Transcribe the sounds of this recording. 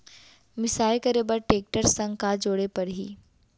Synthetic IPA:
mɪsaːjkɐɾebəɾʈeːk̚ʈəɾsɐ̃ŋɡkad͡ʒoːɽepɐɽɦḭː

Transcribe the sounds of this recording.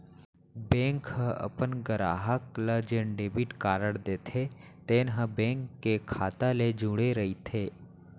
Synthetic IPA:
bẽːŋkhəʔə̰pənɡəɾa̰ːɦəkləd͡ʒeːɳɖeːbiʈkaːɾəɽd̪eːt̪ʰet̪eːnɦəbẽːŋkːekʰaːt̪aled͡ʒũːɽeɾɐit̪ʰeː

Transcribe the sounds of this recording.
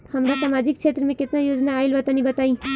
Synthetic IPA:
hɐmɾasaːmaːd͡ʒɪk̚ʃʰeːt̪ɾəmẽkɪt̪najoːd͡ʒnaːɪlʋət̪anĩbət̪aːĩː

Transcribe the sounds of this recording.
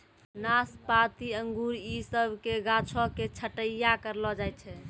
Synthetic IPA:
naspat̪iəŋɡuɾisəbʱkeɡãt͡ʃʰɔket͡ʃʰəʈəjakəɾlɔd͡ʒaj̪̚t͡ʃʰɛ

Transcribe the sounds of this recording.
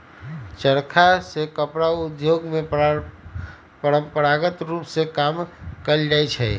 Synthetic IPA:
t͡ʃəɾkʰasekəpɾaud̪joɡme | pəɾəmpəɾaɡət̪ɾupsekamkəld͡ʒajt͡ʃʰɛ

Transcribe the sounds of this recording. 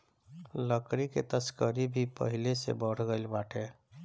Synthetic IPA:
ləkɾikḛt̪əskəɾibʱipə̰ɦilesḛbəɽ̤ɡəɪlbaʈʰe

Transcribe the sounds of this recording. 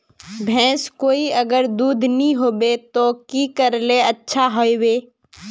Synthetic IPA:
bʱɛ̃ːskoːiɐɡəɾd̪uːd̪ʱnəɦĩɦoːbet̪okikəɾleətːʃʰaɦoeweː

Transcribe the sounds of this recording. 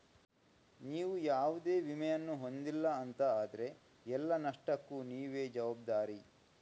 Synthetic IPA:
niːʋujaːʋud̪eːʋimɛjɐnːuɦo̞nd̪ilːɐːnt̪ɐaːd̪ɐɾe̞ | ɛlːɐnɐʂʈɐkːuniːʋeːd͡ʒɐʋaːb̚d̪aːɾi

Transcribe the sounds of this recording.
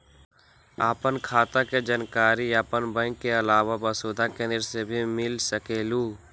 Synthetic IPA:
aːpənkʰaːt̪aked͡ʒənkaːɾiaːpənbə̃kːeəlaːʋabəsoːd̪ʱakenɪɾsebʱimɪlsəkeːluː

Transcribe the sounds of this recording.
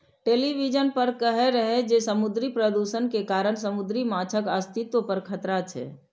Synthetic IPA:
ʈeːliʋid͡ʒənpəɾkəɦeɾəɦed͡ʒesəmud̪ɾipɾəd̪usənkekaːɾəɽ̃səmud̪ɾimat͡ʃʰəkəst̪ʰit̪wopəɾkʰət̪ɾat͡ʃʰɛ̰ː

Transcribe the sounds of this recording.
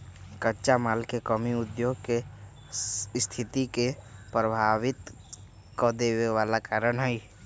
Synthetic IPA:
kətːt͡ʃamaːlkekəmiʊd̪joːɡke | st̪ʰɪt̪ikepɾəbʱaːʋɪt̪ | kɔd̪eːweʋaːlakaːɾənɦɛi

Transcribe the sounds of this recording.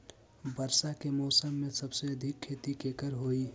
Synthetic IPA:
bəɾsakemɔːsəmːẽsəbseəd̪ʱikʰːet̪ikekəɾɦoi

